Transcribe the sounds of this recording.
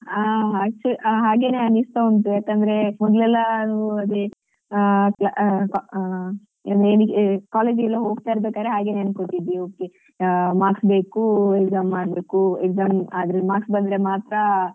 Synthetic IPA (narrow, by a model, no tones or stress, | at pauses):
aɐk̚t͡ʃulɦaːɡe̞ːneɐnist̪ount̪ueːk̪ɐnd̪ɐɾe̞mɔd̪lɛlːɐnuuɐd̪e | plak | ɐnd̪enkaːleːd͡ʒilːɐɦo̞ːɡ̚t̪aːiɾɐbeːkaːd̪ɾeɦaːɡeneɐnkoʈːid̪ioːkːe | maːɾksbe̞ːkuekzaːmːaːɽbeːkuekzaːmaːd̪ɾɐlimaːɾksbɐnd̪ɾe̞maːt̪ɾa